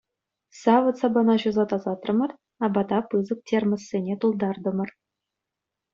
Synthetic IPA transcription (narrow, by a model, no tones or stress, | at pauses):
sɑʋɤ̆t̪sɑbɑnɑʑuzɑt̪ɑzɑt̪rɤ̆mɤ̆r | ɑbɑt̪ɑpɯzɤ̆k̚tʲermə̆sːʲenʲet̪ulˠd̪ɑrd̪ɤ̆mɤ̆r